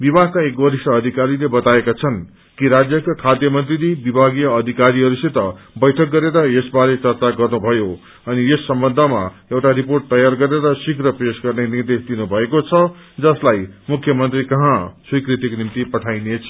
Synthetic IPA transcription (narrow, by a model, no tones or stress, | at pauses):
bibʱakaekbʌɾisʈʌːd̪ʱikaɾilebʌt̪aekat͡sʰʌn | kiɾad͡zjʌkokʰad̪jʌmʌnt̪rilibibʱaɡijʌːd̪ʱikaɾiɦʌɾuset̪ʌbʌjʈʰʌk̚ːɡʌɾeɾʌesbaɾet͡sʌrt͡saɡʌrnubʱʌjo | ʌniesːʌmbʌnd̪ʱʌma̰ewʈaɾiporʈ̚t̪ʌjarɡʌɾeɾʌsikrʌpesɡʌrnenird̪esd̪inubʱʌekot͡sʰʌd͡zʌslajmukʰːjʌmʌnt̪rikʌɦãswijkrit̪iknimt̪ipʌʈʰajnet͡sʰ